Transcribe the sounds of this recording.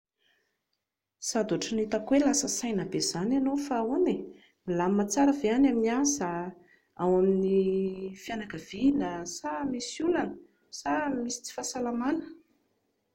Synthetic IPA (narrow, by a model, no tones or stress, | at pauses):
sad̪aʈ͡ʂənit̪akwelasəsajnəbez̥ananofaone | ilamat͡saɾəveanaminiazə | awaminifjanakəv̥inasamisulanə | samisi̥t͡si̥fasalamanə̥